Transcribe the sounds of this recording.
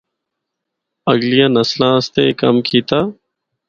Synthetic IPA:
əɡlijãːnəslãːst̪eːkəmkʰiːt̪aː

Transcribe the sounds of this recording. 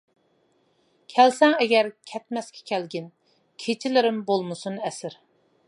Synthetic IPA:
kʲʰɛlsɛŋɛɡʲɛɾkʲʰɛt̪mɛskʲʰɛ̥kʲʰɛlɡʲin | kʲʰet͡ʃʰɪlɪɾɪmbolˠmɨsunɛsɪɾ

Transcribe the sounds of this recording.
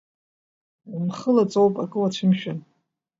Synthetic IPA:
umχəlat͡sʼowpʼakʼɨwat͡ɕʷʰɪmʃᶣan

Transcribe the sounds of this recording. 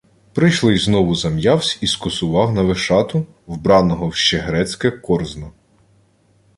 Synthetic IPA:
pɾɪjʃlˠɪjznɔʋʊzɐmjɑwsʲiskɔsʊʋɑwnɐʋeʃɑt̪ʊ | wbɾɑnɔɦɔwʃt͡ʃɛɦɾɛt͡sʲkɛkɔrznɔ

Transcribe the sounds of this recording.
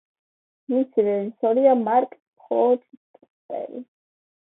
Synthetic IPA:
misiɾɛʒisɔɾiamaɾkʼ | pχɔɔd̪skʼ | t̪ʼɛ̰lḭ

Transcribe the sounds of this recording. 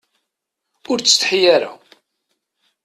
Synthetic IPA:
ʊɾt͡sːə̥θħjaɾa̰

